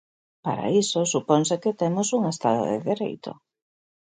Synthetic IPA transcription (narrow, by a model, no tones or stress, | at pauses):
pa̰ɾa̰isosupɔnseket̪emosuŋest̪aðo̰ðḛðeɾḛjt̪o̰